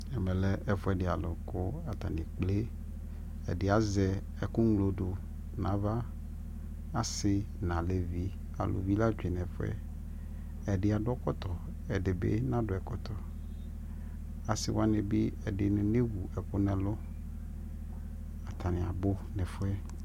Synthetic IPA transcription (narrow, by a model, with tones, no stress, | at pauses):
ɛ˨mɛ̃˨lɛ˦ʔɛ˨fo˦ɛ˨ɖe˨a˨lo˨ko˦a˨t̪a̰˨nĩ˨k͡ple˦ | ɛ̰˨ɖe˨a˨zɛ˨ | ɛ˨kũ˦ŋlo˨ɖo˨ | nã˨va˦ | a˨sɪ˦ | nã˨le˨vi˦ | a̰˨lo̰˨vi˦la˦d͡ʒᶣi˨nɛ̃˨fɛ̰˦ | ɛ˨ɖe˨˦a˨ɖʊ˦ɔ˦kɔ˦t̪ɔ˨ | ɛ˨ɖe˨bḛ˦nã˦ɖo˨ɛ˨kɔ˦t̪ɔ˨ | a˨sɪ̰˦wo˦a˦nẽ˨bi˦ɛ˨de˨n˨ne˦wu˨ɛ˨kʊ˦nɛ̃˨lo˦ | a˨t̪ʰa˨nĩ˨a̰˨bo˦nɛ˨fo˦ɛ˦